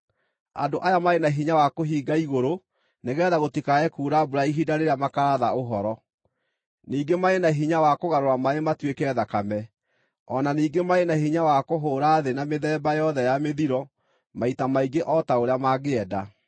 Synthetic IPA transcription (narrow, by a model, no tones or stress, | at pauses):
a̰ndoʔajamaenaɦiɲawakoɦiːɡaiɣoɾo | neɣɛːðaɣotikaɛkuːɾabuɾaiɦidaɾeɾamakaɾaðaoɦɔɾɔ | niːɡemaenaɦiɲawakoɣaɾoɾamaematwekɛðakamɛ | ɔnaniːɡemaenaɦiɲawakoɦoːɾaːðenameðɛːbajɔðɛjameðiɾɔ | maitamaiɡeʔɔtaoɾeamaɣeɛda